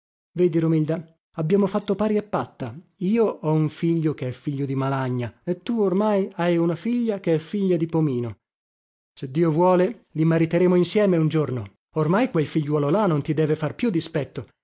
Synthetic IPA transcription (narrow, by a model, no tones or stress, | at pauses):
vɛːd̪iɾomild̪a | abːjaːmofat̪ːopaːɾiepːat̪ːaiːoʔɔuɱfiʎːokeɛfːiʎːod̪imalaɲːaet̪ːuormajajunafiʎːakeɛfiʎːad̪ipomiːno | sed̪ːiːovwɔːlelimaɾit̪eɾeːmoinsjɛːmeund͡ʒorno | ormajkwelfiʎːwɔːlolanont̪id̪ɛːvefarpjud̪ːispɛt̪ːo